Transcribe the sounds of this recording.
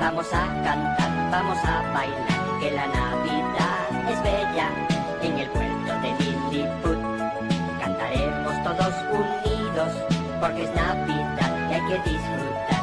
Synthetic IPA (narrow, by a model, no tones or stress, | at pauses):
bamo̞sakant̪aɾbamo̞saβajnaɾke̞lanaβiða | ezβe̞ʎa | eŋelpweɾt̪oðe̞mind̪it̪uð | kant̪aɾe̞mo̞st̪o̞ðo̞suniðo̞s | po̞ɾkeeznaβiðaðkeajke̞ðisfɾut̪a